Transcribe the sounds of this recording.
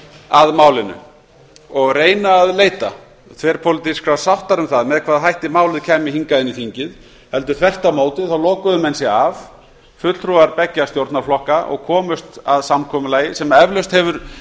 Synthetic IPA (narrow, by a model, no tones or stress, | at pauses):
aðmaːwlɪnʏ̰ | ɔɣreːjnaːðleːjt̪a | θʰvɛːɾ̥pʰowlɪt̪iskɾasawht̪aɾʏmθaðmɛðkʰvaːðɦajht̪ɪmaːwlɪðcʰɛːmɪhiŋkaðɪniθiɲcɪð | hɛlt̪ʏɾ̥θɛr̥t̪amoːwt̪ɪðθawlowkʏðʏmɛnsɪav | fʏt̪lt̪ʰɾuaɾpɛcːast̪jowɾt̪naɾflɔhkaʔɔ̰ɣkʰɔːmʏst̪aðsamkʰɔmʏlaːjɪsɛmaɛvlœst̪hɛvʏɾ̥